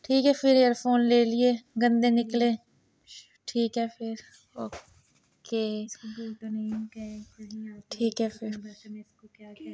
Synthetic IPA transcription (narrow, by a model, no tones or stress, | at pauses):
ʈʰiːkɦɛːpʰɪɾeːɾpʰoːnleːlɪeːɡə̃nd̪ẽːnɪklẽː | ʈʰiːkɦɛːpʰɪɾ | oː | keː | n | ĩʈʰiːkɦɛːpʰɪɾ